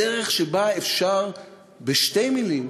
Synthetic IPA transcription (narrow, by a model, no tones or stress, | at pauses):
eʁeχʃebaefʃaʁ | beʃtejmilim